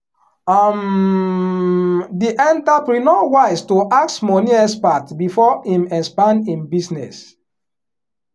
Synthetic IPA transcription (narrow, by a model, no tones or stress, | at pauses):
am | diʔɛ̃ntapɾinɔwaɪstoʔak̚smɔniɛspatbifɔĩmɛ̃spãnĩmbisnɛ̰s